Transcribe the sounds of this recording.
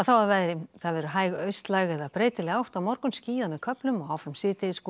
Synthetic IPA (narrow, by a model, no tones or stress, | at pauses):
aθawaðvajðɾɪθaðvɛːɾʏɦaːjɣœɥst̪laɣɛðaðpɾeːjt̪ɪlɛawht̪amɔɾkʏmsciːðamɛðkʰœplʏmɔɣaːwfɾamsɪːt̪ɪskː